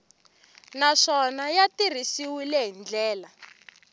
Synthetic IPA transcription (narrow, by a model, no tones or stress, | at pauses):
naʂɔnajatir̤isiwilɛɦind͡ɮɛːla